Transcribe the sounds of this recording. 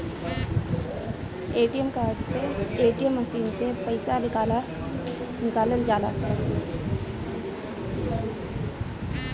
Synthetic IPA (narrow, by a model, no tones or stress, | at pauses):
eːʈijəmkaːɾɖseeːʈijəmːəsiːnsepəɪsan | nɪkaːləld͡ʒaːla̰ː